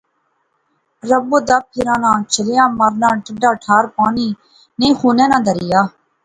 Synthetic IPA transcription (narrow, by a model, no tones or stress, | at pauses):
ɾəboːd̪aːp̚pʰɪɾãːnãːt͡ʃʰəlejãːməɾnãːʈəɖaːʈʰaːɾpaːniː | nẽːxuːnɛ̃ːnãːd̪əɾɪjaː